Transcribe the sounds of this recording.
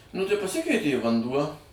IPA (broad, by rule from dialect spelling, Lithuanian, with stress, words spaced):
nʊ tɐɪ pɐˈsʲɪkʲɛɪtʲeː ɪ ʋɐnˈduɔ